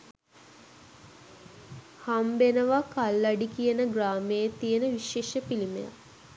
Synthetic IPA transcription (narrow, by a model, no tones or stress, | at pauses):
hambenəʋakalːaɖikijənəɡraːmejet̪ijənəʋiʃeːʃəpilimḛja̰